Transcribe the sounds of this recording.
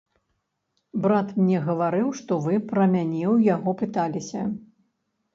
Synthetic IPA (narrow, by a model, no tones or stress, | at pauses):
bɾat̪mnʲɛɣɐvaɾɨwʂt̪ɔvɨpɾɐmʲanʲɛwjaɣɔpɨt̪alʲisʲɐ